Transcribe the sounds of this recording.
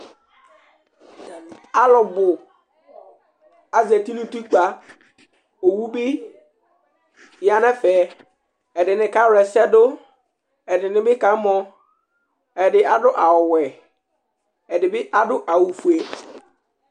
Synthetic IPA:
a˦lʊ˨bʊ˨ | a˨zɛ˨t̪i˦nũ˦t̪u˦k͡pa˦ | o˨wu˦bɪ˦ | ja˨nɛ̃˦fɛ˨ | ɛ˨dɪ˨nɪ̃˨ka˦wʊ˨ɛ˨sɛ˦dʊ˦ | ɛ˨dɪ˨nɪ̃˨bɪ˦ka˨˦mɔ̃˦ | ɛ˨dɪ˨a˨dʊ˦ʔa˨wʊ˨wɛ˨ | ɛ˨dɪ˨bɪ˦ʔa˦dʊ˦ʔa˨wu˨fu˨e˨

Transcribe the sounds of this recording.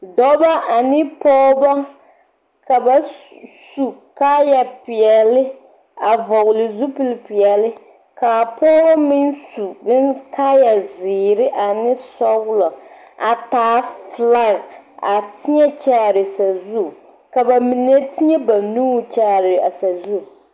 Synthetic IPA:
dɔ˦ba˦a˨nɪ˦pɔː˦ba˦ | ka˨ba˨ | su˨ka˦ja˨pɪ˨ɛ˨lɪ˦ | a˨vɔ˨ɣlɪ˨zu˦pi˦lɪ˦pi˨ɛ˨lɪ˦ | kaː˨pɔː˦ba˦mɪ˦nsu˨bɪ˦nkaː˦ja˨zɪː˨ɾɪ˦ʔa˨nɪ˦sɔ˦ɣʊ˦lɔ˨ | a˨taː˨˦fla˦˨ɣa˨tɪ˦ɲɛ˦t͡ʃa˦˨ɾɪ˨sa˨zu˦˨ | ka˨ba˨mi˨ne˦tɪ˦ɲɛ˦ba˨nuː˦˨t͡ʃa˦˨ɾɪ˨a˨sa˨zu˦˨

